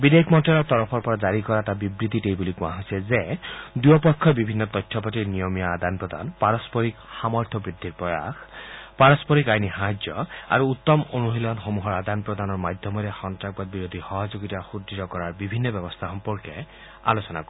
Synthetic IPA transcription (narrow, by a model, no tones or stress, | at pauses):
bid̪ekʰmɔnʈɛlɔɹt̪ɔɹɔpʰɔɹpɔɹazaɹikɔɹatabibɹit̪itejbuliɡũa̰ɦojsɛzed̪uɔpɔkʰːɔbibʱinːɔt̪ɔjtʰːɔpatiɹnijɔmijaːd̪ʱanpɹɔd̪a̰npaɹɔspɔɹikxamɔɹt̪ʰɔbɹid̪ʱːiɹpɹɔja̰xpaɹɔspɔɹikajniɦaɦd͡ʒɔa̰ɹuut̪ːɔmonuɦilɔnxomuɦɔɹad̪anpɹɔd̪anɔɹmad̪ʱjɔmɔɾɛxɔntɹak̚bɔt̪̚biɾod̪ʱixɔɦɔzuɡit̪axud̪ːitɔkɔɹaɹbibʱinːɔbjɔbɔst̪ʰaxɔmpɔɹkɛ | a̰losɔna̰kɔi